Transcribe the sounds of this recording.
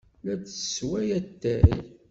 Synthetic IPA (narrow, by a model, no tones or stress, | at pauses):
læt͡sə̥swæjæt̪ːæɾij